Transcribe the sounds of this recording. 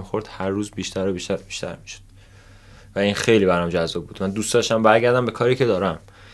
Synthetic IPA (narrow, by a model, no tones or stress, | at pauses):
ixo̞ɾd̪̥hæɾːuːzbiːʃt̪ʰæɾobiːʃt̪ʰæɾbi̥ːʃt̪ʰæ̰ɾmiʃo̥d̪̥ | væiːnxe̞jliːbæɾɒmd͡ʒæzːɒːb̚buːd̪mænd̪ust̪d̪ɒʃt̪æmbæɾɟæɾd̪æmbekʰɒːɾiːcʰe̞d̪ɒːɾæm